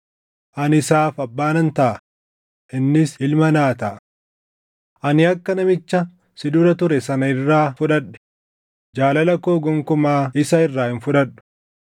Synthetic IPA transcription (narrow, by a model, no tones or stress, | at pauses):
ʔɐnɪsaːfɐbːaːnɐnt̪ɐʔɐ | ʔɪnːɪsɪlmɐnaːt̪ɐʔ | ʔɐnɪɐkːɐnɐmɪt͡ʃːɐ | sɪd̪uːɾɐt̪ʊɾɛsɐnɐɪrːaːfʊᶑɐᶑɛ̥ | d͡ʒaːlɐlɐkoːɡɔŋkʊmaːɪsɐɪrːaːhɪnfʊᶑɐᶑʊ̥